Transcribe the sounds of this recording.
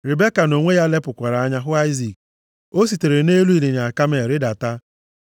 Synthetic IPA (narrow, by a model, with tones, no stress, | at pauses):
ɾɪ˨be˦ka˨no˨ŋʷe˦ja˦le˦pʊ˨kʷa˨ɾa˨a˦ɲa˦ɦʊ˦a˦ɪ˦zi˨k̚ | o˦s̬i˨te˨ɾe˨ne˦lu˦i˨le˨ɲa˨a˨ka˦m˦e˨ɾɪ˦da˨ta˦